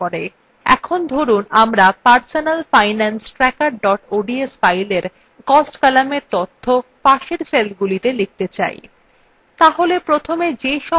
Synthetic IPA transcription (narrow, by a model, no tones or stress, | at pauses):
ɔɾe | ɛ̰kʰond̪ʱoɾunamɾapaɾsonalfajnansʈɾɛkaɾɖɔʈoɖiesfajleɾ | kɔsʈkalameɾt̪ot̪ʰːopaʃeɾselɡulit̪elik̚t̪et͡ɕa̰j | t̪aɦolepɾot̪ʰomed͡ʑeʃɔ